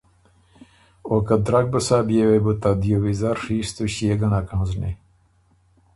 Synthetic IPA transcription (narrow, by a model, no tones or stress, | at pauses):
okɐd̪ɾak̚bɐsaːbjewebut̪ad̪ijowizaɾʂiːst̪uɕjeɡɐnakãːznḛ